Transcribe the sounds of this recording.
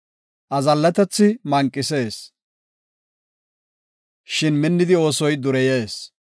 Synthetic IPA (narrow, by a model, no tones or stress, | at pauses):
ʔɐzɐlːɛt̪ɛt͡sːɪmɐŋkʼːɪse̞ːs | ʃɪnmɪnːɪd̪ɪo̞ːsɔjd̪ʊɾɛje̞ːs